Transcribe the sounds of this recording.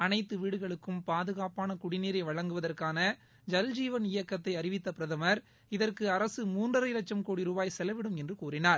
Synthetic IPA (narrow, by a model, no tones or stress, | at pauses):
ɐnɐɪt̪ːɯʋiːɽɯɣɐɭɯkːɯmpaːðɯɣaːpaːnɐkʊɽɪniːɾɐɪʋɐɻɐŋɡɯʋɐðɐrkaːnɐ | d͡ʒɐld͡ʒiːʋɐnɪjɐkːɐt̪ːɐɪɐɾɪʋɪt̪ːɐpɪɾɐðɐmɐɾ | ɪðɐrkɯɐɾɐsɯmuːndrɐɾɐɪlɐt͡ʃːɐmkoːɽiɾʊbaːjsɛlɐʋɪɽɯmɛndrɯkuːrɪnaːɾ